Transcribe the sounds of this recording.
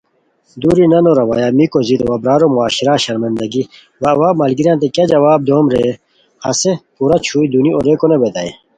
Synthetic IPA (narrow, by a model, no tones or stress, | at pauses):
d̪uɾinɐnoɾɐwa̰jamikozit̪owɐbɾaːɾomuaːɕiɾaɕɐɾmɐnd̪ɐɡi | wɐwaːmɐlɡiɾjãːnt̪̬ekɐd͡ʑɐwaːb̚d̪oːmɾe | hɐ̰sepuɾɐt͡ɕʰuːid̪unioɾekonebed̪a̰e